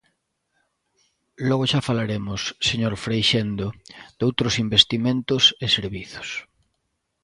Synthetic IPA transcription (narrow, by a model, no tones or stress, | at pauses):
lɔɣoʃafalaɾemʊsːeɲoɾfɾejʃend̪ʊd̪̥owt̪ɾʊsimbest̪imẽnt̪ʊsɪseɾβiθo̥s